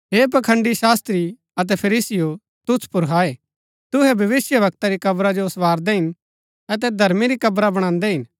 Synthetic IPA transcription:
ɦeːp̬ɐkʰə̃ɳɖiʃaːst̪ɾi | ɐt̪̬ɛpʰɐɾiːsɪjo | t̪ʊspʊɾɦaːe | t̪ʊɦɛbʱɐʋɪsjəʋɐk̚t̪aɾikɐbɾad͡ʒosʋaːɾd̪ɛɦɪn | ɐt̪̬ɛd̪ʱɐɾmiɾikɐbɾabɐɽ̃ãːnd̪ɛɦɪn

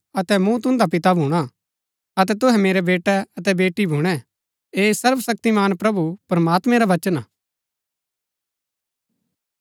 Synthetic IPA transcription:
ɐt̪ɛmũt̪ʊ̃nd̪ap̬ɪt̪abʱũːɽ̃a | ɐt̪ɛt̪ʊɦɛ̃meːɾɛbeːʈɛɐt̪ɛbeːʈːibʱũːɽ̃ɛ | eːsɐɾʋsɐk̚t̪imaːnpɾɐbupɾəmaːt̪mɛ̃ɾaʋɐt͡ʃənaː

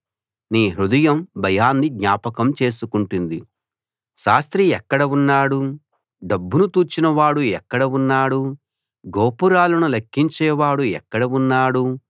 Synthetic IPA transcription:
niːɦɾud̪ɐjɐmbʱɐjaːnːiɡ̪ɲaːpɐkɐmt͡ʃe̞ːs̬ukuɳʈund̪i | ʃaːst̪ɾiɛkːɐɽɐunːaːɽu | ɖɐbːunut̪uːt͡ʃinɐʋaːɽuɛkːɐɽɐunːaːɽu | ɡoːpuɾaːlɐnulɐkʰːiɲt͡ʃɛːʋaːɽuɛkːɐɽɐunːaːɽu

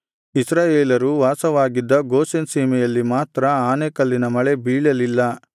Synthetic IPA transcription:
isɾaːjeːlɐɾuʋaːsɐʋaːɡid̪ːɐɡoːsensiːmɛjɐlːimaːt̪ɾɐaːnekɐlːinɐmɐɭebiːɭɐlilːɐ

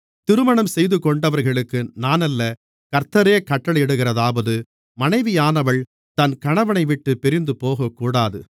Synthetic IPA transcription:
t̪ɪɾɯmɐɳɐmsɛjðɯkɔɳɖɐʋɐɾɣɐɭɯkːɯnaːnɐlːɐ | kɐɾt̪ːɐɾeːkɐʈːɐɭɛɽɯɣɪɾɐðaːʋɐðɯ | mɐnɐɪʋɪjaːnɐʋɐɭ | t̪ɐnkɐɳɐʋɐnɐɪʋɪʈːɯpɛɾɪnd̪ɯpoːɣɐkːuːɽaːðɯ

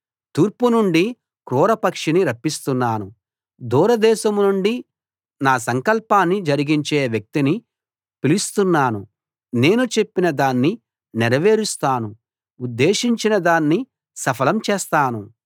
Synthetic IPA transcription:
t̪uːɾpunuɳɖi | kɾuːɾɐpɐkʂiniɾɐpːist̪unːaːnu | d̪uːɾɐd̪ɛːʃɐmnuɳɖi | naːsɐŋkɐlpaːnːid͡ʒɐɾiɡiɲt͡ʃeːʋjɐk̚t̪ini | pilist̪unːaːnu | ne̞ːnut͡ʃe̞pːinɐd̪aːnːi | nɛɾɐʋeːɾust̪aːnu | ud̪ːe̞ːʃiɲt͡ʃinɐd̪aːnːi | sɐpʰɐlɐmt͡ʃɛːst̪aːnu

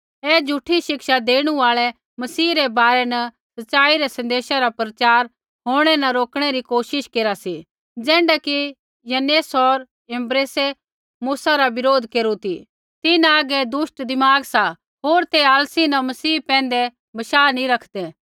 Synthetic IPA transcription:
ɛːd͡ʒʱuʈʰːiʃɪkʃad̪eːɽ̃ũaːɭɛ | mɐsiːɾɛbaːɾɛnɐ | sɐtːʃaːiɾɛsɐ̃nd̪eːʃaɾapɾɐt͡ʃaːɾ | ɦoːɽ̃ɛnɐɾoːkɽ̃ɛɾikoːʃɪʃkeːɾasi | d͡ʒɛ̃ːɳɖaki | jɐneːsɔɾ | ɛ̃mbɾeːse | muːsaɾabɪɾoːd̪ʱkeːɾut̪i | t̪ɪnaːɡɛd̪ʊʃʈd̪ɪmaːɡsa | ɦoːɾt̪eaːlsinɐmɐsiːpɛ̃ːnd̪ɛ | bɐʃaːnĩɾɐkʰd̪ɛ

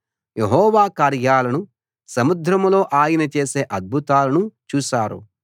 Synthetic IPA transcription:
jeɦɔːʋaːkaːɾjaːlɐnu | sɐmud̪ʱɾɐmlo̞ːʔaːjinɐt͡ʃe̞ːse̞ːʔɐd̪̚bʱut̪aːlɐnut͡ʃuːʃaːɾṵ

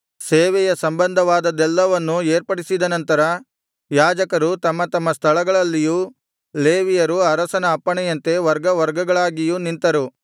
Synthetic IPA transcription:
seːʋɛjɐsɐmbɐnd̪ʱɐʋaːd̪ɐd̪ɛlːɐʋɐnːueːɾpɐɽisid̪ɐnɐnt̪ɐɾɐ | jaːd͡ʒɐkɐɾut̪ɐmːɐt̪ɐmːɐst̪ʰɐɭɐɡɐɭɐlːiju | leːʋijɐɾuɐɾɐsɐnɐːpːɐɳɛjɐnt̪e̞ʋɐɾɡɐʋɐɾɡɐɡɐɭaːɡijunint̪ɐɾu

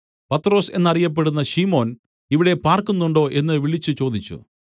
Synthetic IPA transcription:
pɐt̪ːro̞ːse̞̰nːɐrijɐp̬ːe̞ɽunːɐɕimo̞ːn | iʋiɽe̞paːrkunːuɳɖo̞ːʔe̞nːɨʋiɭit͡ɕːɨt͡ɕo̞ːd̪it͡ɕːṵ

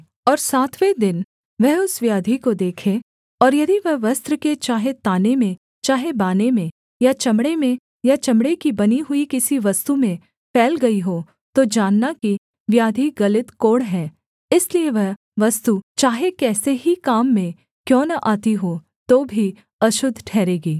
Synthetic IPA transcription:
ɔːɾsaːt̪ʰʋed̪ɪn | ʋɛɦʊsʋjaːd̪ʱikod̪eːkʰe | ɔːɾjɐd̪iʋɐɦʋɐst̪ɾəket͡ʃaːɦet̪aːnemẽ | t͡ʃaːɦebaːnemẽ | jat͡ʃɐmɽemẽ | jat͡ʃɐmɽekibɐniɦʊikɪsiʋɐst̪umẽ | pʰɛːlɡɐiɦoː | t̪od͡ʒaːnːaki | ʋjaːd̪ʱiɡɐlɪt̪koːɽɦɛː | ɪslieʋɐɦ | ʋɐst̪ut͡ʃaːɦekɛːseɦikaːmːẽ | kjɔ̃ːnaʔaːt̪iɦoː | t̪oːbʱi | ɐʃʊd̪ʱʈʰɛːɾeːɡiː

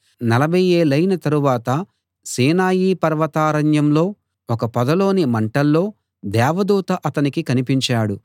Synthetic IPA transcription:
nɐlɐbʱɐjeːlɐjnɐt̪ɐɾuʋaːt̪ɐ | siːnaːjiːpɐɾʋɐt̪aːɾɐɲjɐmlo̞ː | ɔkɐpɐd̪ɐlo̞ːnimɐɳʈɐlːo̞ː | d̪ɛːʋɐd̪uːt̪ɐʔɐt̪ɐnikikɐnipiɲt͡ʃaːɽu

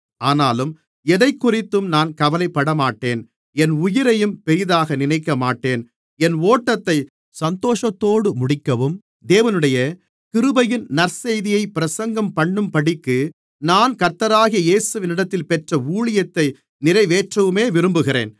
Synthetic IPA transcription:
aːnaːlɯm | ɛðɐɪkːʊrɪt̪ːɯmnaːnkɐʋɐlɐɪpːɐɽɐmaːʈːeːn | ɛnʊjɪɾɐjɯmpɛɾɪðaːɣɐnɪnɐɪkːɐmaːʈːeːn | ɛnoːʈːɐt̪ːɐɪ | sɐnt̪oːʂɐt̪ːoːɽɯmʊɽɪkːɐʋɯm | d̪eːʋɐnɯɽɐjɐ | kɪɾɯbɐjɪnnɐɾsɛjðɪjɐɪpːɪɾɐsɐŋɡɐmpɐɳːɯmpɐɽɪkːɯ | naːnkɐɾt̪ːɐɾaːɣɪjɐjeːsɯʋɪnɪɽɐt̪ːɪlpɛʈrɐuːɭɪjɐt̪ːɐɪ | nɪɾɐɪʋeːʈrɐʋɯmeːʋɪɾɯmbɯɣɪɾḛːn

